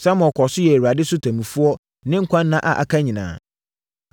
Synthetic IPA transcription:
sã˦mɔ˨kʰɔ˨sʊ˦jɛ˨e˨wa˨dɪ˦sʊ˦tʰa˨mĩ˨fu˦ɔ˦ | nɪ̃˦ŋ̩˦kʷʰã˦nː˦ã˦ʔa̰˨ʔa̰˨kʰa˦ɲĩ˨nã̰ː˨

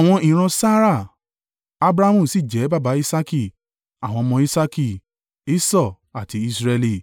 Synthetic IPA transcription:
a˨w̃ɔ̃˧ĩ˨ɾ̃ɔ̃˧sa˦ɾa˦˨ | a˧bɾa˦mũ˦˨si˦˨d͡ʒɛ˨˦ba˦˨ba˨˦i˦sa˦ki˦˨ | a˨w̃ɔ̃˧mɔ̃˧i˦sa˦ki˦˨ | i˦sɔ˦˨ | a˨ti˧˦i˧sɾɛ˧li˧˨

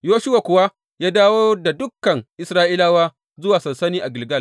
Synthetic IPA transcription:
joː˦ʃʊ˦wa˨kʷʊ˨wa˦ | jaː˦daː˦woː˦da˨dʊ˦kːɐ˨ŋʔɪ˨sɾaː˦ʔiː˦laː˦waː˦ | zʊ˦waː˨sɐ˨nsɐ˦niː˦ʔa˨ɡɪ˨lɡɐ˦˨l

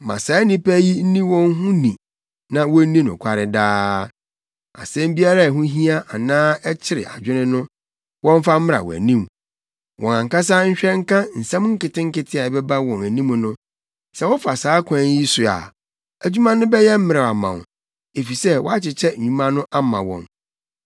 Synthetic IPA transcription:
mã̰˨sa˨˦nĩ˦pæ˦ji˦n̩˦nĩ˦wɔ̃˦ŋ˦ɦũ˦nĩ˨ | nã˨wɔ˦n̩˦nĩ˦nʊ̰̃˨kʷʰa˦ɾɪ˨daː˦ | a̰˨sɛ̃˦mbi˦a˦ɾa˦æ˨ɦũ˦ɦi˦a˦ʔa˨nãː˦ɛ˦t͡ɕʰɪ˦ɾɪ̰˨ʔa˨d͡ʑᶣɪ˦nɪ̃˦nʊ̃˦ | wɔ̃˦ɱ˦fa˦m̩˦mɪ̃˦ɾa̰˨wɔ̰˨æ̰˨nĩ˦˨m | wʔɔ̃˨ã˨ŋ˨ka˦s̬aː˦ɲ̩˦ɕᶣɛ˦ŋ̩˦kã˦n̩˨sã˦m˦ŋ̩˦kɪ˨tɪ̃˦ŋ̩˦kɪ˦tʰɪ˦a˨bɛ˦ba˦wɔ̃˨næ˨nĩ˦m̃˨nʊ̃˦ | sɛ˦wɔ˦fa˨saː˨˦kʷʰã˨˦ɲ˦ji˦sʊ˨a̰˨ | æ˨d͡ʑᶣu˦mã˦nʊ̃˦bɛ˦jɛ˦m̩˦mɪ̃˦ɾa˨a˨mã̰˨ | e˨fi˨sɛ˦wɔ̰˦a˦t͡ɕɪ˨t͡ɕʰɛ˦˨ɲũ˦mã˦nʊ̃˦ʔa˦mã˨wɔ̰̃˨n

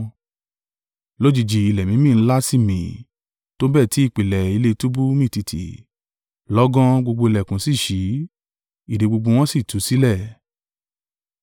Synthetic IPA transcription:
lo˦d͡ʒi˧˨d͡ʒi˧i˧˨lɛ˨mĩ˨˦mĩ˦˨n̩˦la˦si˦˨mĩ˨ | to˦bɛ˦˨ti˨˦i˦˨k͡pi˨lɛ˨i˧le˦˧tu˦bu˦mĩ˦˨ti˧tʰḭ˨ | lɔ˦ɡɔ̃˦ɡ͡bo˧ɡ͡bo˧i˧lɛ˨kũ˨˦si˦˨ʃi˨˦ | i˨de˨˦ɡ͡bo˧ɡ͡bo˧w̃ɔ̃˦si˦˨tu˨˦si˦lɛ˦˨

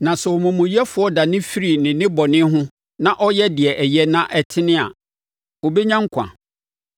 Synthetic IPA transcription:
nã˨sɛ˨ɔ˨mũ˨mũ˨i˦ɛ˦fʊ˦ɔ˦da˨nɪ̃˦fi˦ɾi˨nɪ̃˨nɪ̃˦bɔ˨nɪ̃˦ɦʊ̃˦ | nã˦˨ʔɔ˦jɛ˦dɪ˨ɛ˨ʔɛ˨jɛ˦nã˦ʔɛ˨tʰɪ˦nɪ̃˦a̰˨ | o˨be˦ɲã˦ŋ̩˦kʷʰã̰˨

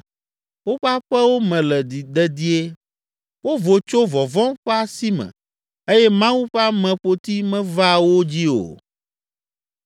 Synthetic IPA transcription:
wo˦ɸa˦ɸɛ˦wo˦mɛ̃˨lɛ˨d̪i˨d̪ɛ˦d̪i˦e˦ | wo˦vo˨t͡ʃo˦vɔ˨vɔ̃˦ɸɛ˦a˦si˦mɛ̰̃˨ | e˦jɛ˦mã˦wu˦ɸa˦mɛ̃˨ɸo˨t̪i˦mɛ̃˦va˦wo˦d͡ʑi˦o̰˨

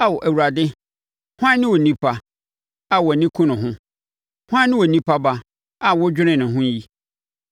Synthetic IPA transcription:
a˦wɔ˨ʔæ˨wu˨ɾa˨dɪ˦ | hʊ˦ã˦nɪ̃˦wɔ˨nĩ˦pʰa˨ | a˨wɔ˨nĩ˦kʰũ˦nʊ̃˨ɦʊ̃˦ | hʊ˦ã˦nɪ̃˦wɔ˨nĩ˦pʰa˦ba˦ | a˨wʊ˦d͡ʑᶣɪ˦ɾɪ̃˨nʊ̃˨ɦʊ̃˦ji˦

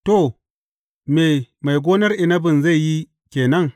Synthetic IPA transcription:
to˨ | meː˨ma˨jɡʷoː˦nɐ˦rʔɪ˨nɐ˦bɪ˨nza˦˨jːi˦ | kʲeː˨nɐ˦ŋ

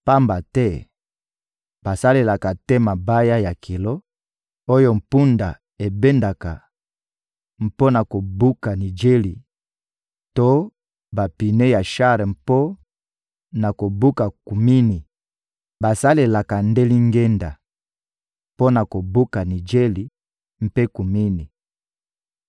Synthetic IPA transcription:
pa˦mba˨tɛ˦ | b̥a˨sa˦le˨la˨ka˨tɛ˦ma˨ba˦ja˦ja˨kʰi˨lo˦ | o˦jo˦m̩˨pu˦nda˨ | e˨be˦nda˨ka˨ | m̩˨po˦na˨ko˨bu˦ka˨ni˨d͡ʒe˦li˨ | to˦ | ba˨pi˨nɛ˦ja˨ʃa˦ɾɛ˨m˨po˦ | na˨ko˨bu˦ka˨ku˨mi˦ni˨ | ba˨sa˦le˨la˨ka˨nde˦li˦ŋɡe˦nda˨ | po˦na˨ko˨bu˦ka˨ni˨d͡ʒe˦li˨ | m̩˦pe˦ku˨mi˦ni˨

